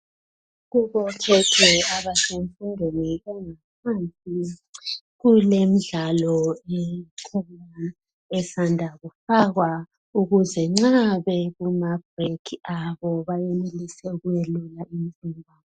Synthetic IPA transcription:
ɣuβɔkʰɛtʰɛaβaseɱfundʱweniɛŋap̚ʰansʼi | ɣulem̩ɮalɔɛkʰuma | ɛsandʱaɣufaɣwa | uɣuzɛŋ͡ǁaβɛɣumab̥̚ʱrekʰiaβɔβajenelisɛuɣujɛlulaimizimbʱaː

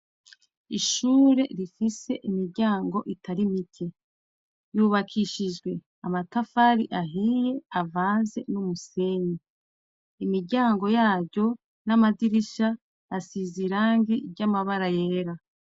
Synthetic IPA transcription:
iʃuːɾe̞ɾifise̞ʔimiɾɟaːŋɡo̞ʔitʰaɾimitʰe | juβakʰiʃiʒɡwe̞ | amatafaɾḭʔaɦije̞avaːnze̞numuse̞ɲi | imiɾɟaːŋɡo̞jaːvɟo̞ | namadiɾiʃa | asiziɾaːŋɡiɾɟamaβaɾajeːɾa

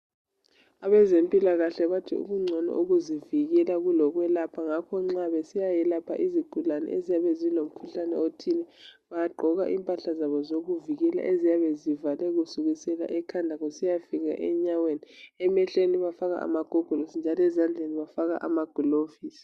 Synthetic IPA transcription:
aβɛzempʼilaɣaɬɛβatʰḭṵɣuŋ͡ǀʱɛnɛ̰ʔoɣuziviɣɛlaɣulɔɣwɛlapʰaŋakʰɔŋ͡ǀaβesijajɛlapʰa̰ʔiziɡ̥ʱulanɛ̰ʔezijaβezilom̩kʰuɬanɛ̰otʰinɛβajaɡ͡ǃʱɔɣa̰ʔiːmpʼaɬazaβɔzoɣuviɣɛla̰ʔezijaβezivalɛɣusuɣisɛla̰ʔɛkʰandʱaɣusijafiɣa̰ʔɛɲaweniɛmɛɬeniβafaɣa̰a̰maɡ̥ʱɔɡ̥ʱɔlosind͡ʒʱalɛzand͡ɮʱeniβafaɣaʔa̰maɡ̥ʱulofiːsi̥

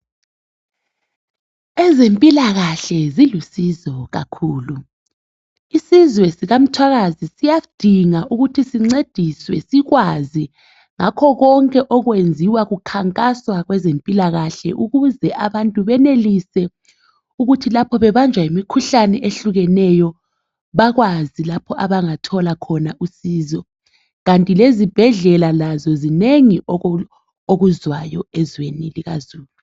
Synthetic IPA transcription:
ɛzempʼilaɣaɬɛzilusizɔɣa̰kʰuːlu | isizwɛsiɣam̩tʰwaɣazisijad̥ʱiŋaʔuɣutʰisiŋ͡ǀed̥ʱiswɛ̰siɣwazi | ŋakʰɔɣɔŋkʼɛʔɔɣwend͡zʱiwaɣukʰaŋkʼaswaɣwɛzempʼilaɣaɬɛ̰ʔuɣuzɛʔaβantʼuβɛnelisɛ | uɣutʰilapʰɔβɛβand͡ʒʱwaimikʰuɬanɛʔeɬuɣɛnɛjɔ | βaɣwazilapʰɔʔaβaŋatʰɔlakʰɔnaʔusiːzɔ | ɣantʼilezib̥ʱɛɮɛlalazɔzineŋiɔ | oɣuzwajɔɛzweniliɣazuːlu

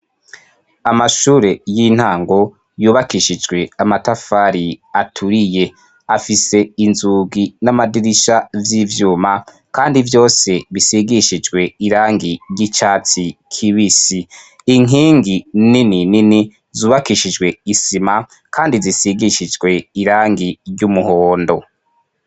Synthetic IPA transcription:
amaʃuːɾe̞jin̥haːŋɡo̞ | juːβakiʃid͡ʒɡwe̞amatafaːɾiatʰuɾije̞ | afise̞inzuːɡinamadiɾiʃavjiːvjuːma | kaːndivjo̞ːse̞βisiɡiʃid͡ʒɡwe̞iɾaːŋɡiɾɟit͡ʃaːt͡sikʰiβisi | iŋiːŋɡinininini | zuːβakiʃid͡ʒɡwe̞isima | kʰaːndizisiɡiʃid͡ʒɡwe̞iɾaːŋɡiɾɟumuhoːndo̞

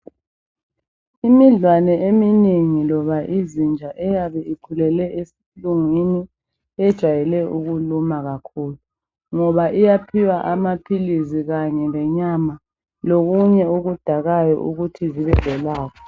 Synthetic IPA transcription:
imiɮwanɛemiineŋilɔβaʔizind͡ʒʱaʔɛjaβɛiǃʰulɛlɛʔesi̥luŋini | ɛd̥ʒ̥ʱwajɛlɛuɣulumaɣakʰuːlu | ŋɔβaʔijapʰiwaʔamapʰiliziɣaɲɛŋɛɲama | loɣuɲɛuɣud̥ʱaɣajɔ̰ʔuɣutʰiziβɛv̥ʱɛlaːkʰɔ̥

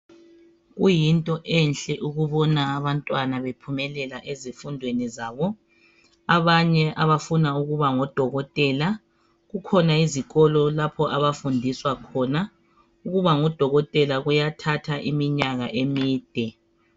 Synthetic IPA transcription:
ɣujintʼɔʔɛnɬʼɛʔuɣuβɔnaːβantʼwanaβepʰumɛlɛlaʔezifundʱwenizaːβɔ | aβaɲɛʔaβafunauɣuβaŋɔd̥ʱɔɣɔtʼɛla | ɣukʰɔnaiziɣɔlɔlapʰɔʔaβafundʱiswakʰɔna | uɣuβaŋɔd̥ʱɔɣɔtʼɛlaɣujatʰatʰaʔimiɲaɣaʔemiːd̥ʱɛ

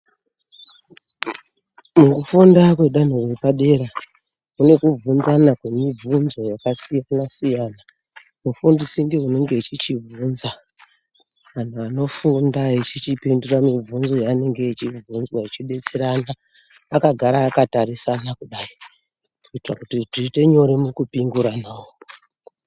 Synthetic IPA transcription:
mukufundakwe̞ɗan̤orepaɗe̞ɾa | kune̞kub͡vunzanakwemib͡vunzo̞jakasijanasijaːna | mufundisindeune̞ŋɡe̞ːt͡ʃit͡ʃivunza | ʋan̤uano̞fundaet͡ʃit͡ʃipinduramib͡vunzo̞jaːne̞ŋɡe̞it͡ʃivunzwait͡ʃiɓe̞t͡se̞ɾanaː | kaɡʱaɾaːkataɾisanakuɗaːi | kuitrakutiʐite̞ɲo̞ɾemukupiŋɡuɾanaːwo

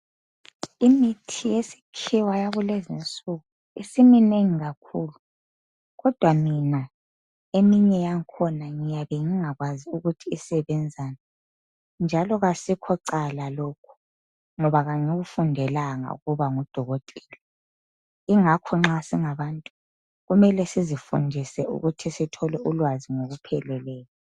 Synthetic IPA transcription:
imitʰijesi̥kʰiwajaβulezint͡sʼuɣu | isimineŋiɣakʰuːlu | ɣɔd̥ʱwamina | emiɲɛjaŋkʰɔnaŋijaβɛŋiŋaɣwaziuɣutʰiːsɛβɛnd͡zʱaːna | nd͡ʒʱalɔɣasikʰɔǃalalokʰu̥ | ŋɔβaɣaŋiɣufundʱɛlaŋa̰ṵɣuβaŋɔd̥ʱɔɣɔtʼɛ̥li | iŋakʰɔŋ͡ǁasiŋaβaːntʼu | ɣumɛlɛsizifṵndʱisɛṵɣutʰisitʰɔlɛʔulwaziŋoɣupʰɛlɛlɛːla

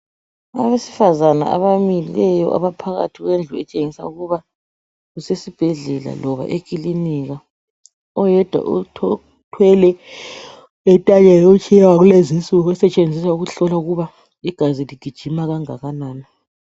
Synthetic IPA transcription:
a̰βesi̥fazana̰a̰βamililɛjɔ̰ʔa̰βapʰaɣa̰tʰiɣwend͡ɮʱuɛt͡ʃʼeŋisa̰uɣuβa | ɣusesib̥ʱɛɮɛla̰lɔβa̰ʔekʼiliniɣa | ɔjɛd̥ʱwa̰ʔu | tʰwɛlɛ | ɛtʼaɲɛɔt͡ʃʰʼijɛwaɣulezint͡sʼuɣuɛsɛt͡ʃʼend͡zʱisauɣuɬɔlauɣuβa | iɡ̥ʱaziliɡ̥ʱid̥ʒ̥ʱimaɣaŋaɣanaːni

